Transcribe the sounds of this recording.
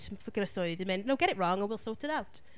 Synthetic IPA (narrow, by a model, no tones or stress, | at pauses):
fəɡənəsɔɪðəmɛ̃nnoʊɡɛɾɪʔɹɔ̃ŋə̃nwilˠsoːˑtɪɾaʊt